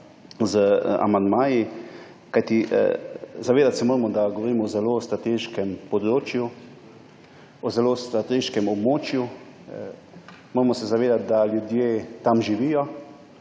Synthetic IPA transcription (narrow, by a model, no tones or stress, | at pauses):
zəa̰mand̪maːji | kajt̪ḭ | zaʋeːd̪at̪sɛmoːɾɛmɔd̪aɡɔʋɔɾiːmɔɔzɛlost̪ɾat̪eːʃkɛmpɔd̪ɾoːt͡ʃju | ɔzɛloːst̪ɾat̪eːʃkɛmɔbmoːt͡ʃju | moːɾmɔsɛzaʋeːd̪at̪̚d̪aljud̪jeːt̪amʒiʋijɔ